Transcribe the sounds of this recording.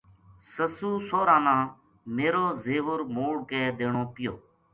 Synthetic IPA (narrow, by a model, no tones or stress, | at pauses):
səsuːsoːɾãːnãː | meːɾoːzeːʋʊɾmoːɽkɛːd̪eːɳoːpɪjoː